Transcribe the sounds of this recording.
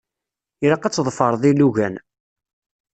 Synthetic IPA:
iɾɑqɑt͡sːðˤfəɾˤðˤiluʝæn

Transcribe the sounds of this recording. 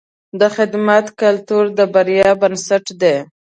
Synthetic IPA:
d̪əxɪd̪mat̪kalt̪uɾd̪əbaɾjɑbənsaʈd̪e

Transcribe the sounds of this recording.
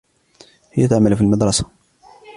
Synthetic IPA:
hɪjat̪aʕamːalfiːlmɪd̪ɾˤɑsḁ

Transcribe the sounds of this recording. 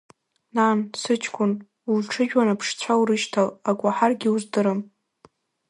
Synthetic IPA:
nansɨt͡ʃʼʰkʷʼʊn | ulʈ͡ʂʰɨʒᶣwanapʰʂt͡sʷʰawuɾɨʃtʰalakʷʼaħarɡʲɪuzdɨɾɨm

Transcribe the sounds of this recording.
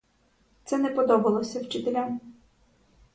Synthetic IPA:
t̪sɛnɛpɔd̪ɔbɐlˠɔsʲɐwt͡ʃɪt̪elʲam

